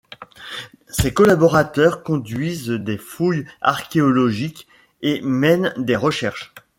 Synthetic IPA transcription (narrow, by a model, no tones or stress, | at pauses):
sekɔlabɔʁat̪œʁkɔ̃d̪ɥizd̪efuja̰ʁkʲeɔlɔʒikʲ | emɛnd̪eʁəʃɛʁʃ